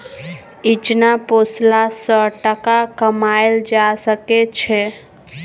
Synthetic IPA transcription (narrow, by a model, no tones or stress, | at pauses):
it͡ʃnaposlasəʈəkakəmaejld͡ʒasəkɛt͡ʃʰɛ